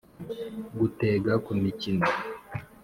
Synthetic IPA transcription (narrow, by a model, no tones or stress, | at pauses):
ɡuteːɡakumicino